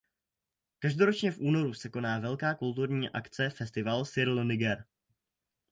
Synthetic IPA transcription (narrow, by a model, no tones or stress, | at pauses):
kaʒdo̞ɾot͡ʃɲɛfʔuːno̞ɾusɛko̞naːvɛlkaːkult̪uɾɲiːʔa̰kt͡sɛfɛst̪ɪvalsɪɾlnɪɡɛɾ